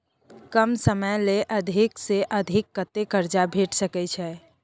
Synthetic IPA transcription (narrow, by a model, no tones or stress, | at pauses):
kəmsəməjleʔəd̪ʱɪkseʔəd̪ʱɪkːət̪ːekəɾd͡ʒabʱeːʈsəkɛt͡ʃʰɛː